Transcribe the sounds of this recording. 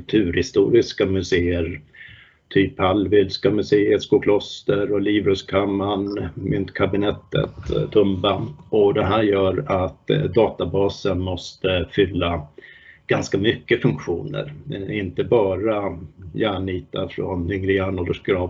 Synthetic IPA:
klt̪ʰʉ̟ːɾhɪst̪ṵːɾɪskamɵseːəɾ | t̪ʰyːphalvɪlskamɵseːəɾskʊkʰlɔst̪əɾɔliːvɾɵskʰamːanmʏnt̪kʰabɪnɛt̪ːə̰t̪t̪ʰːɵmbaɔd̪ɛɦæːɾjœːɾat̪d̪ɑːt̪abɑːsənmɔst̪əfʏlːa | ɡ̥anskamʏkːəfɵŋkɧṵːnə̰ɾɛɪnt̪əbɑːɾajæːɳiːt̪a̰fɾɔnhʏŋɾɪaɳoːd̪əʂɡ̥ɾɑː

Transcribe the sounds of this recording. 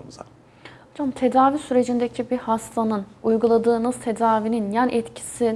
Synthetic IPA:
hod͡ʒamt̪ʰe̞d̪aːvisyɾe̞d͡ʒind̪ecʰibihast̪ʰanɯnujɡulˠad̪ɯːnɯzt̪ʰe̞d̪aːvininjænʔɛt̪cʰi̥si

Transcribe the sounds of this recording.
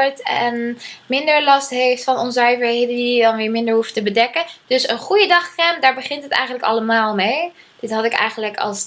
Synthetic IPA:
ɹtɛnmɪndəɹlɑstɦejftfɑnɔnsœɥvəɹɦejdəndiidɑnʋɪːɹmɪndəɹɦuftəbədɛkənd̥ɵsənχujədɑχrɛmdaːɹbəχɪntɦətɛ̰jχən̩ləkɑ̰ləmaːlˠmej | d̥ɪtɦɑtɪkɛ̰jχəndələkʰɑ̰lˠs

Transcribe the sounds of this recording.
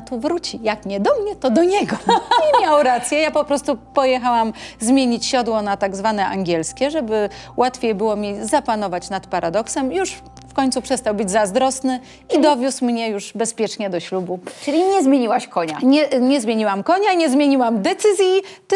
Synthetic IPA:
t̪uvɾut͡ɕijakɲɛd̪ɔmɲɛt̪ɔd̪ɔɲɛɡɔɲɛmmʲjawɾat̪sʲjɛjapɔpɾɔst̪upɔjɛxawamzmʲjeɲit͡ɕɕɔd̪wɔnat̪aɡzvanɛʔa̰ŋɡʲɛlskʲɛʐɛbɘwʔat̪fʲejbɘwɔmʲizapanɔvat͡ɕnat̪paɾʔad̪ɔksɛmjuʂ | fkɔɲt̪supʂɛst̪awbɘd͡ʑzazd̪ɾɔsnɘ | id̪ɔvʲjusmɲɛjuʐbɛspʲjɛt͡ʂɲɛd̪ɔɕlubut͡ʂɘlʲiɲɛzmʲjeɲiwaɕkɔɲaɲɛɲɛzmʲjeɲiwamkɔɲaɲɛzmʲjeɲiwamd̪ɛt̪sɘzʲji

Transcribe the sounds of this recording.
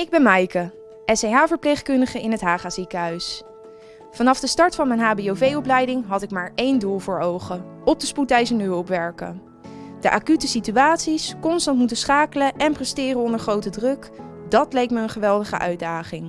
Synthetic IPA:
ɪɡ̚bɛnmɛjkə | ʔɛsejɦaːvəɹplejχkɵndəχəɪnɦətɦaːχaːzikəɦœɥs | fɑnɑfdəstɑɹtfɑnmɛjnɦaːbiowvejɔplɛjdɪŋɦɑtɪkmaːɹejnduːlˠvʊːɹowχəɔp̚dəsputɛjzəndəɦɵlˠpʋɛɹkə̰ | d̥əʔaːkytəsityaːtsiskɔnstɑntmutəsχaːkələʔɛnprɛstɪːrənɔndəɹχrowtədrɵk | dɑt̚lejkməənχəʋɛlˠdəχə̰ʔœ̰ɥdaːχɪŋ

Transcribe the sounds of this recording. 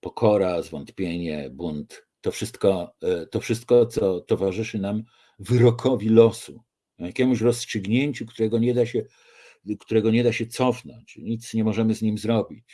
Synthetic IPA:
pɔkʰɔɾazvɔnt̪pʲjeɲɛ̰bunt̪ː | ɔfʂɘst̪kɔt̪ɔfʂɘst̪̚kɔt̪sɔt̪ɔvaʐɘʂɘnam | vɘɾɔkʰɔvʲilɔsu | jakʲɛmuɕɾɔstʂɘɡɲeɲt͡ɕukt̪uɾɛɡɔɲɛd̪aɕɛ | kt̪uɾɛɡɔɲɛd̪aɕɛt̪sɔfnɔ̰ɲt͡ɕɲit̪sɲɛmɔʐɛmɘzɲimzɾɔbʲit͡ɕ

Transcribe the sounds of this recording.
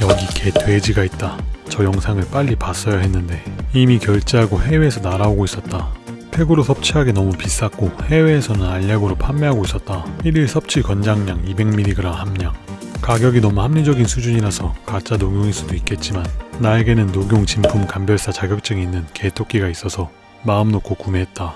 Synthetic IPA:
jʌɡikʰe̞tʰwe̞d͡ʑiɡait̚t͈at͡ɕʌjʌŋsʰaŋɯɭp͈aʎːipas͈ʌjaɦe̞nːɯnde̞imikjʌɭt͡ɕ͈eɦaɡohe̞we̞ːsʰʌnaɾaoɡois͈ʌt̚t͈apʰe̞ɡɯɾosʰʌp̚t͡ɕʰiɦaɡe̞nʌmupis͈ak̚k͈ohe̞we̞ːsʰʌnɯnaʎːaɡɯɾopʰamːeɦaɡois͈ʌt̚t͈aiɾiɭsʰʌp̚t͡ɕʰiɭkʌnd͡ʑaŋɲaŋibe̞ŋmiɾiɡɯɾaŋhamɲa | kaɡjʌɡinʌmuhamɲid͡ʑʌɡinsʰud͡ʑuɲiɾasʰʌkat͡ɕ͈anoɡjoŋis͈udoik͈e̞t̚t͡ɕ͈imanːae̞ɡe̞nɯnːoɡjoŋt͡ɕimpʰumkambjʌɭs͈at͡ɕaɡjʌk̚t͡ɕ͈ʌɡiinːɯnke̞tʰok͈iɡais͈ʌsʰʌ | maɯmnokʰokumeɦe̞t̚t͈a

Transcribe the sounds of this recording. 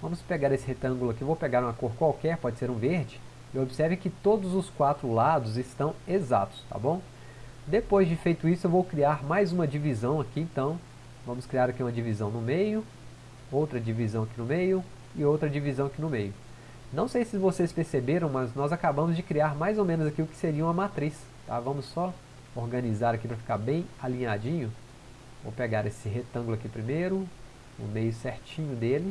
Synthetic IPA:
vɐ̃mʊspeɡaɾesɪhet̪ɐ̃ŋɡʊlʊɐkɪvowpeɡaɾũakoɾkwawkɛɾpɔd͡ʒɪseɾũveɾd͡ʒɪ | ɪobisɛɾvẽj̃kɪt̪od̪ʊzʊskwat̪ɾʊlad̪ʊzɪst̪ɐ̃w̃eza̰t̪ʊ̥st̪a̰bõw̃ | d̪epojzd͡ʒɪfejt̪ʊisʊewvowkɾiaɾmajzũmɐd͡ʒivizɐ̃w̃ɐkiẽnt̪ɐ̃w̃ | vɐ̃mʊskɾiaɾakiũmɐd͡ʒivizɐ̃w̃nʊmejʊ | owt̪ɾɐd͡ʒivizɐ̃w̃akinʊmejʊ | ɪowt̪ɾɐd͡ʒivizɐ̃w̃akinʊmejʊ | nɐ̃w̃sejsɪvosespeɾsebeɾɐ̃w̃mɐznɔzakabɐ̃mʊzd͡ʒɪkɾiaɾmajzowmẽnʊzakilʊkɪ̥seɾiɐũmɐmat̪ɾis | t̪a̰vɐ̃mʊsːɔ | oɾɡɐ̃nizaɾakipɾɐfi̥kaɾbẽj̃alĩɲad͡ʒĩɲʊ | o̰wpeɡaɾesɪɦet̪ɐ̃ŋɡlʊakipɾimejɾʊ | ʊ̰mejʊsɛɾt͡ʃĩɲʊd̪elɪ

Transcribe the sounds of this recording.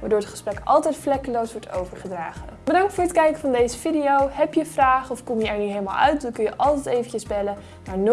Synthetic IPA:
ʋaːɹdoːɹətχə̥sprɛkɑlˠtɛjtflɛkəlowsʋɔɹto̰wvəɹχədraːχəb̥ədɑŋk̚tfʊːɹətkɛjkəvɑndejzəvidiowɦɛpjəvraːχəɔfkɔmjəɛɹnyɦejləma̰lˠœɥt̚dəkɵjəʔɑlˠtɛjtejvəncəzbɛlə | naːɹn

